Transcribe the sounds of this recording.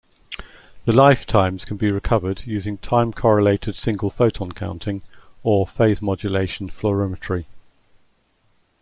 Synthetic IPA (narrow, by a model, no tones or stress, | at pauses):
ðəlaɪftʰãɪ̃mz̥kʰə̃nbiɹɪkʰʌvədjʉːzɪ̃ŋtʰãɪ̃mkʰɒɹəleɪtʰɪd̥sɪ̃ŋɡəlˠfəʊtʰə̃nkʰã̰ʊ̃ntʰɪ̃ŋəfeɪzmɒd͡ʒəleɪʃə̃nfləɹəmət͡ʃɹi